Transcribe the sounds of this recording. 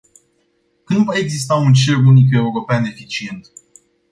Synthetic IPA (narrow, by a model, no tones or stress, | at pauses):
kɨnd̪vae̞ɡzist̪aunt͡ʃelunike̞uɾo̞peane̞fit͡ʃie̞nt̪